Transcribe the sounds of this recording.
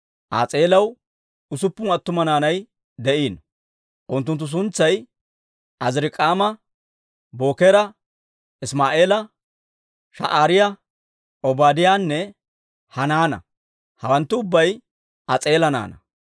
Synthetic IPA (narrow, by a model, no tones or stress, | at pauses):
ʔa̰ːt͡sʼeːlɐw | ʊsʊpːʊmɐt̪ːʊmɐnaːnɐj | d̪ɛʔiːn | ʔʊnt̪ːʊnt̪ːʊs̬ʊnt͡sːɐj | ʔɐzɾɪkʼaːmɐ | bo̞ːkɛɾɐ | ɪsmaːʔe̞ːlɐ | ʃɐ̰ʔaːɾɪjɐ | ɔbaːd̪ɪjaːnːɛ | hɐnaːnɐ̰ | hɐwɐnt̪ːʊʊbːɐj | ʔɐt͡sʼeːlɐna̰ːnɐ̰